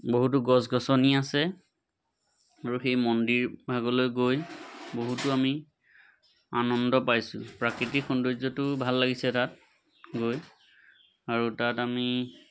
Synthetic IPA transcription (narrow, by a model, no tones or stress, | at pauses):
boɦut̬ʊɡɔsɡɔsɔniasɛ | aɹuxejmɔndiɹbʱaɡɔlojɡojboɦutʊami | anɔndɔpajsʊ̃pɹakɹitikxɔndozɔtʊbʱalːaɡisɛtat̚ | ɡoj | aɹutatami